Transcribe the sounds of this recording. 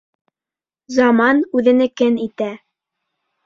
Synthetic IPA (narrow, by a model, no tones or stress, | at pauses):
zɑmɑnʉðɘ̆nɘkɘnit̪æ